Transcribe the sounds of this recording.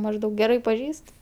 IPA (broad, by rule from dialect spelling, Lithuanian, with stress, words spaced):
mɐʒˈdɐʊk ɡʲɛˈrɐɪ pɐˈʒʲiːst